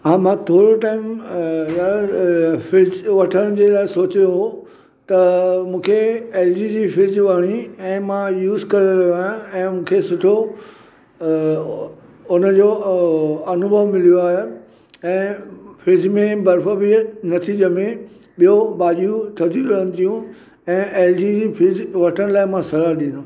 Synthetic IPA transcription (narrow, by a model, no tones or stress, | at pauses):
ɦãːmãt̪ʰoːɽoʈaːɪmja | fɪd͡ʑʋɐʈʰəɽ̃d͡ʑeːlaːɪsoːt͡ɕeɦo | t̪ɐmũːkʰeeːld͡ʑiːd͡ʑiːfɪd͡ʑʋaːɽ̃iɛ̃ːmãjuːzkɐɾeɾɐɦjoaːjãɛ̃ːmũːkʰesʊʈʰo | ʊnəd͡ʑo | ɐnʊbʱəʋmɪlijoaːɦe | ɛ̃ːfɪd͡ʑmẽbɐɾfəbinɐt̪ʰiːd͡ʑəmẽ | ɓijobaːʄjut̪ʰɐd̪ʱikɐɦəñɪ̆t̪ʰijũ | ɛ̃ːʔeːld͡ʑid͡ʑiːfʰɪd͡ʑʋɐʈʰəɽ̃laːɪmãsɐɾəɾɗĩːnʊ